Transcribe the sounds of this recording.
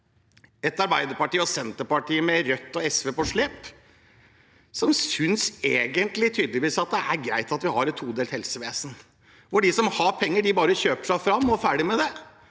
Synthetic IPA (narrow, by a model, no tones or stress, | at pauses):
ɛt̪ɑɾbæɪd̪əɾpɑʈiːəɔsɛnt̪əɾpɑʈʰiːəmɛɾœt̪ːɔɛsʋeːpɔʂɭeːp | sɔmsʏnseːɡənt̪lɪt̪ʰyːd̪əlɪʋiːsɑt̪̚d̪ɛæɾɡɾæ̰ɪt̪ɑt̪ʋɪhɑɾɛt̪ʰːuːd̪elt̪hɛlsəʋeːsən | ʋɔɖɪsɔmhɑɾpʰɛŋːəɖɪbɑːɾəçøːpə̥ʂæɪfɾɑmːɔfæːɖɪmɛd̪ɛ